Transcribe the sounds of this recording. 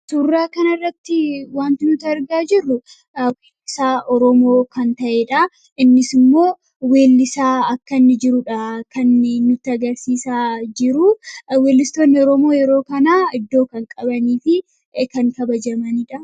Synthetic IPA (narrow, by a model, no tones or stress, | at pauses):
t̪ʊrːaːkɐnɐrːɐt̪ːɪwaːnt̪ɪnʊt̪ɐɾɡaːd͡ʒɪrːʊ | weːlːɪsaːʔɔɾɔmoːkɐnt̪ɐʔeːᶑɐ | ʔɪnːɪsɪmːo̞ː | we̞ːlːɪsaːɐkːɐnːɪd͡ʒɪɾʊᶑɐkɐnːɪnːʊt̪ːɪɐɡɐɾsiːsaːd͡ʒɪɾʊwe̞ːlːɪst̪oːnːɪɔɾɔmo̞ːjɛɾo̞ːkɐnaːɪd̪ːo̞ːkɐŋkʼɐbɐniːfɪ | kɐŋkɐbɐd͡ʒɐmɐnɪᶑɐ